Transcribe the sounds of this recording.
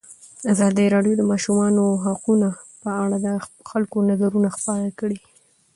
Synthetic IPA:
azɑd̪əɾɑɖjod̪əmɑʃumɑnoɦaquna | pəaɽad̪ə | xalkonazaɾunaxpɑɾakɽi

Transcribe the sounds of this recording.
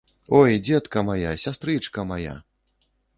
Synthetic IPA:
ojd͡zʲɛt̪kɐmajasʲast̪ɾɨt͡ʂkɐmaja̰

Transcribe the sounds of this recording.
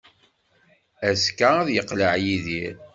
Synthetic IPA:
æskːaæðjəqləʕjiðiɾ

